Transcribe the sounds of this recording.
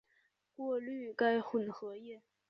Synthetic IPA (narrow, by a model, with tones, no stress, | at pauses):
kwɔ˥˧ly˥˧ka˥˩ɪxwə˨˩nxɤ˧˥jɛ˥˩